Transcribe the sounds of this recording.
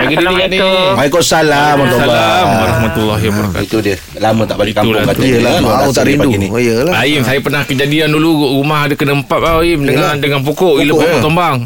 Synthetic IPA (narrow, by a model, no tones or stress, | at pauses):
aɡidinianimaikosalamɔsalamwaɾahmat̪ulːaɦiwabaɾaka̰it̪udiəh | lamə̃t̪aʔbalikaulakat̪ijlaaut̪aɾinuinijəlaaimsajapərnahkəd͡ʒadianduluɡɾumaɦadakənəmpat̪̚aimdəŋadəŋanp̬okɔʔiləpokɔt̪ombaŋ